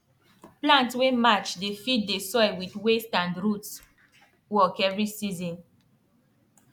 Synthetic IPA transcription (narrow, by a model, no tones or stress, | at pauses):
plãntwemat͡ʃdefit̚desɔɪwitwestãndɹuts | wɔkɛvɹisizɔ̃n